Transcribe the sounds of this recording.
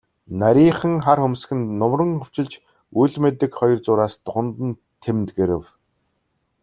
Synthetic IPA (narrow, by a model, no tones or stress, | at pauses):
naɾʲiːχə̆ŋχarxɵmsxɘ̆nːʊmrə̆ŋxɵw̥t͡ɕɪ̆ɮt͡ɕ | uɮmet̪ɘ̆kχɔjɞ̆rt͡sʊːɾaːst̪ʊχə̆nt̪ə̆n | t̪ʰemt̪ɡeɾɘ̆w